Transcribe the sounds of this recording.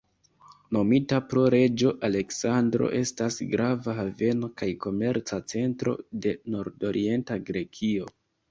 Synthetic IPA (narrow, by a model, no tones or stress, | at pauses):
no̞mitapɾo̞ɾe̞d͡ʒo̞ʔale̞ksandɾo̞̰ʔe̞stasɡɾavaɦave̞no̞kajko̞me̞ɾt͡sat͡se̞ntɾo̞̰de̞no̞ɾdo̞ɾʔḭe̞ntaɡɾe̞kʰio̞